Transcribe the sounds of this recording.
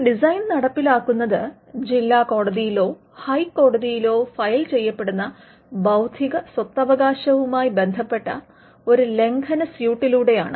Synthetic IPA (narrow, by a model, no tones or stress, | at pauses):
ɖisɐjnnɐɽɐpːilaːkːunːɐðɨ | d͡ʑilːaːko̞ːɽɐðijilo̞ː | hɐjkːo̞ːɽɐðijilo̞ːfɐjlt͡ɕe̞jːɐpːe̞ɽunːɐ | bɐwd̪ʱiɣɐswɐt̪ːɐʋɐɣaːɕɐʋumaːjibe̞nd̪ʱɐpːe̞ʈːɐ̰ | o̞ɾule̞ŋɡʰɐnɐsjuːʈːiluːɽe̞jaːɳɨ